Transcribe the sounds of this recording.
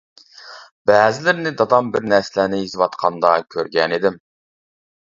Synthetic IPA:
b̥æːzɪlɪɾnɪd̪ɑd̪ɑmbɪɾnæɾsɪlænɪizwɑt̪qʰɑnd̪ɑkʲʰøɾɡʲɛnid̪ɪm

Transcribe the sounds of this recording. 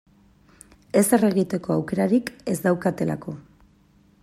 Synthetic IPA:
e̞sere̞ɣit̪e̞ko̞awke̞ɾaɾike̞zd̪awkat̪e̞la̰ko̞

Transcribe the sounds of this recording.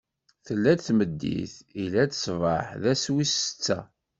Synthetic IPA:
θəlːæd̪θməd̪ːḭθilæt͡s̪sˤvə̰ħðæswisə̥t͡sːæ̰

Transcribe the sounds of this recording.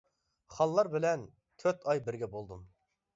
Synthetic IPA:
χɑlˠːɑɾbɪlɛn | t̪ʰøɾt̪ʰɑjbɪɾɡʲɛbolˠd̪um

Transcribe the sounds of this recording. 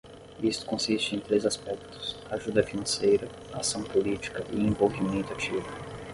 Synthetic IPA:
ist̪ʊ̥kõsist͡ʃɪẽj̃t̪ɾezaspɛkt̪ʊ̥saʒud̪ɐfinɐ̃sejɾɐ | asɐ̃w̃polit͡ʃi̥kɐʔɪẽvolvimẽnt̪ʊat͡ʃivɐ

